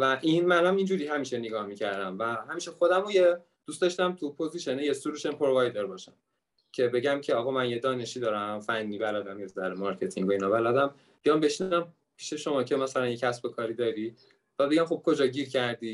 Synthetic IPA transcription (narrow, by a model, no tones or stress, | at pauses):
væʔinmænæmind͡ʒuɾiːɦæmiːʃe̞neɡɒːhmicʰæɾd̪æmvæɦæmiːʃexo̞d̪æmoje | d̪̥ust̪ɒʃt̪æmt̪ʰupʰo̞ziʃenejesuɾuʃenpʰoɾovɒjd̪eɾbɒːʃæm | cʰe̞be̞ɟæmcʰe̞ɒɣɒmænjed̪ɒːne̞ʃiːd̪ɒːɾæmfænːiːbælæd̪æmezzæɾemɒɾcʰet̪ʰḭŋɡo̞inɒbælæd̪æm | b̥ijɒmbe̞ʃinæm | pʰi̥ʃe̞ʃo̞mɒːcʰe̞mæsælænje̞cʰæsbe̞kʰɒːɾiːd̪ɒːɾi | væbe̞ɡæmχo̞b̚kʰo̞d͡ʒɒːɟiɾcʰæɾd̪iː